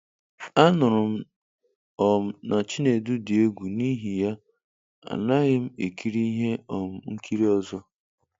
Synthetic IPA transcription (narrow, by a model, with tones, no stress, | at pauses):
a˦nʊ˨ɾʊ˨m̩˦ | ɔ˨m̩˦na˨t͡ʃi˦ne˨du˦dɪ˨e˦ɡʷu˨ni˦ɦi˨ja˦ | a̰˨na˦ɣɪ˦m̩˦e˨ki˦ɾi˦i˦ɦe˦ɔ˨m̩˨ŋ̩˦kʰi˦ɾi˦ɔ˦zɔ˦